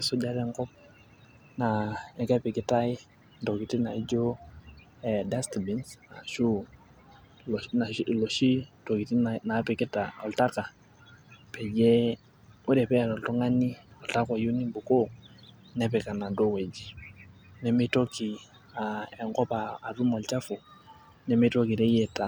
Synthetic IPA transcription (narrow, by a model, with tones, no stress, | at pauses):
sɔ˦d͡ʒa˦ɾɛ˦ŋkɔ˦p̚ | na˨ɛ˨ka˦pɪ˨kɪ˦ta˦i˦ | ndɔ˨ki˨ti˦na˨i˦d͡ʒo˦ | ɛ˨da˦sti˨bi˨˦nsa˨ʃu˦ | lna˨˦˨lo˨ʃi˦to˨ki˨ti˦nna˨˦pɛ˨kɪ˦ta˨ɔ˨lta˦ka˨ | pɛ˨d͡ʒɛ˦ | u˦ɾɛ˨pɛ˦˨ɾɔ˨ltɔ˦ŋa˦ni˦ɔ˨lta˦kɔ˨ju˦ni˦bu˨ko˦ | nɛ˦p̬ɛ˨ka˨na˨do˦we˨d͡ʒi˨ | nɛ˨˦mi˦to˦ki˨ | a˨ɛ˨ŋkɔ˦paː˨tu˦mɔ˨lt͡ʃa˦fu˨ | nɛ˦mi˦to˦ki˨ɾɛ˦jɛ˦ta˨